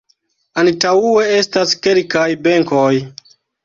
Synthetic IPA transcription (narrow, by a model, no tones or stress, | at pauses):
anitaue̞e̞staske̞lkajbe̞ŋkoj